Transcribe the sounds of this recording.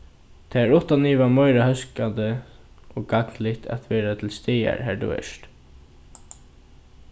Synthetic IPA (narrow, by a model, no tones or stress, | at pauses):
t̪ʰɛːæɹʊht̪aniːvamœjɾahœskand̪ə | ɔkaklɪht̪ʰa̰t̪ʋɛːɾat̪ʰɪlst̪iːja̰ɹɦæːɹt̪ṵːɛ̰ʂt̪